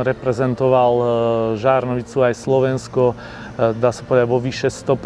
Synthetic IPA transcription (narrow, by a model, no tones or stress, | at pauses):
ɾɛpɾɛzɛnt̪ɔʋalʒaːɾnɔʋit͡suajslɔʋɛnskɔ | d̪aːsapɔʋɛd̪aɟʋɔʋiʃɛst̪ɔp